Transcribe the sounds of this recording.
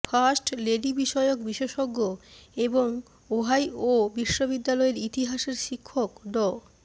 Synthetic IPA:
fʰasʈleɖibiʃɔeok̚biʃeʃoɡːoeboŋ | oɦajobiʃːobid̪ːalɔeɾit̪iɦaʃeɾʃikʰːokɖɔ

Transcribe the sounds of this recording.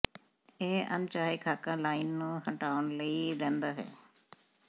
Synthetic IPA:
eːə̰nt͡ʃaːekʰaːkãːlaːinːũːhəɳʈaːʋənləiːɾɛ̃ːnd̪aːɦɛ̰ː

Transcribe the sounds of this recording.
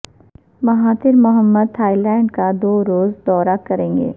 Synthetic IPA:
mɐɦaːt̪ɪɾmʊɦəmːəd̪̚t̪ʰaːilɛ̃ːɳɖkad̪oːɾoːzd̪ɔːɾakɐɾẽːŋɡḛː

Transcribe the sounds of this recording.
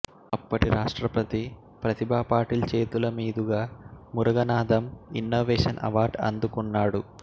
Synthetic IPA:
ɐpːɐʈiɾaːʂʈɾɐpɐt̪i | pɾɐt̪ibʱaːpaːɾʈiːlt͡ʃeːt̪ulɐmiːd̪uɡaːmuɾɐɡɐnaːd̪ɐminːoːʋɛːʂɐnʔɐ̰ʋaːɾɖɐ̰nd̪ukunːaːɽu

